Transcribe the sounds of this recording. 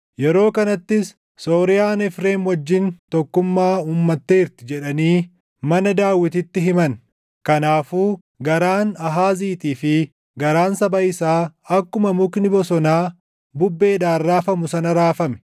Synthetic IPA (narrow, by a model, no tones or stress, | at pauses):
jɛɾo̞ːkɐnɐt̪ːɪs | so̞ːɾɪjaːnɛfɾe̞ːnwɐd͡ʒːɪnt̪ɔkːʊmːaːuːmːɐt̪ːeːɾt̪ɪd͡ʒɛᶑɐniː | mɐnɐd̪aːwːɪt̪ɪt̪ːɪɦɪmɐn | kɐnaːfuː | ɡɐɾaːnɐɦaːziːt̪iːfɪ | ɡɐɾaːnsɐbɐɪsaːɐkːʊmɐmʊknɪbɔsɔnaː | bʊbːe̞ːd̪aːrːaːfɐmʊsɐnɐɾaːfɐmɛ̥